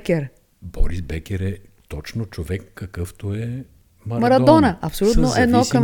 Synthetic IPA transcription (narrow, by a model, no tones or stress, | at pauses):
kʲɛɾ | bɔ̰ɾisbɛkʲɛɾɛ | t̪ɔt͡ʃnot͡ʃovɛkːɐkɤft̪oɛ | mɐmɐɾɐd̪ɔnəʔɐpsolʲut̪noʔɛd̪nɔkɐm